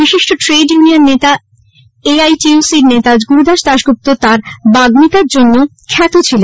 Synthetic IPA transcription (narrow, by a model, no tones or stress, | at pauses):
biʃiʃʈoʈɾeɖjunianːet̪a | eajʈiusiɾnet̪ad͡ʑɡuɾud̪aʃd̪aʃɡup̚t̪ot̪aɾbaɡmit̪aɾd͡ʑonːokʰɛt̪ot͡ɕʰilen